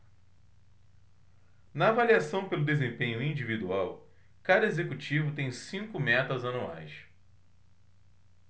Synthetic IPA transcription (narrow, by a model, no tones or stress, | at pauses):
nɐːvaliasɐ̃w̃pelʊd̪ezẽpẽɲʊĩd͡ʒivid̪uaw | kad̪ɐezekut͡ʃivʊt̪ẽj̃sĩŋkʊmɛt̪ɾɐzɐnua̰js